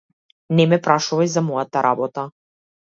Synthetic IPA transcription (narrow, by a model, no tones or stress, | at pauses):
nɛmɛpɾaʃuvajzamɔjat̪aɾʔabɔt̪a